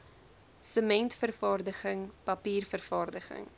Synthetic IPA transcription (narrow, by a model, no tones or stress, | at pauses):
səmɛntfərfɑːrdəχəŋpɐpiːrfərfɑːrdəχə̰ŋ